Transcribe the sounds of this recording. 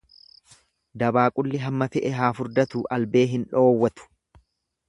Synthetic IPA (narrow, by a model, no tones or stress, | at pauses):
d̪ɐbaːkʼʊlːɪɦɐmːɐtɛʔɛɦaːfʊɾd̪ɐt̪uːʔɐlbe̞ːɦɪnᶑo̞ːwːɐt̪ʊ̥